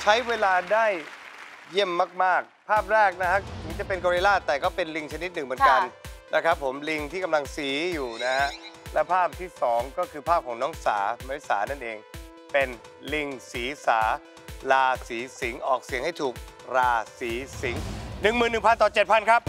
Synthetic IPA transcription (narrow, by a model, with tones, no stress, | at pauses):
t͡ɕʰa˦˥jweː˧laː˧daː˥˩j | je˥˩mːaː˥˩k̚maː˥˩k̚pʰaː˥˩p̚ɾɛː˥˩k̚na˦˥kʰa˦˥ɯ˩˦ŋt͡ɕa˨˩pe˧nkɔː˧ɾi˧laː˥˩t̪ɛː˨˩kɔː˥˩pe˧nli˧ŋt͡ɕʰa˧ni˦˥t̪̚nɯ˨˩ŋmɯ˩˦nka˧nnʔa˦˥kʰɾa˦˥pʰːo˩˦mli˧ŋt̪ʰiː˥˩ka˧mla˧ŋsiː˩˦juː˨˩na˦˥a˦˥ʔlɛ˦˥wpʰaː˥˩p̚t̪ʰiː˥˩sɔː˩˦ŋkɔː˥˩kʰɯː˧pʰaː˥˩p̚kʰɔː˩˦ŋnɔː˦˥ŋsa̰ː˩˦ma˦˥wi˥˩sa̰ː˩˦na˥˩nʔeː˧ŋ | pe˧n | li˧ŋsiː˩˦saː˩˦ | laː˧siː˩˦si˩˦ŋʔɔː˨˩k̚si˨˩˦əŋha˥˩jt̪ʰuː˨˩k̚ | ɾaː˧siː˩˦si˩˦ŋnɯ˨˩ŋmɯː˨˩nːɯ˨˩ŋpʰa˧nt̪ɔː˨˩t͡ɕe˨˩t̪̚pʰa˧nkʰa˦˥p̚